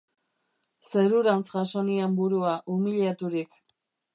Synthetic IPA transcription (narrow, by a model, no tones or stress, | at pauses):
se̞ɾuɾant͡sʝaso̞niambuɾuaʔumiliat̪uɾik